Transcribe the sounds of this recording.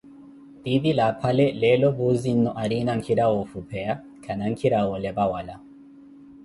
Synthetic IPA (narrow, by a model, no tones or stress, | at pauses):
d̪iðilapʰalɛlɛlɔbuzin̩nɔʔaɾinaŋ̩kʰiɾawɔfupʰɛa | kʰanaŋ̩kʰiɾawɔlɛbawala